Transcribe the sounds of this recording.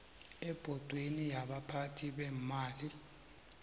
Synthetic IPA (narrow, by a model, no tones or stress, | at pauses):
ɛb̥ʱɔd̥ʱwenijaɓapʰatʰiɓɛmaːli